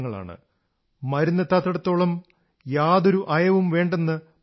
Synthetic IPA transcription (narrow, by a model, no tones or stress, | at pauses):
ŋːɐɭa̰ːɳɨ̰ | mɐɾunːɐt̪ːaːt̪ːɐɽɐt̪ːo̞ːɭɐm | jaːðo̞ɾuʔɐjɐʋumʋe̞ːɳɖenːɨ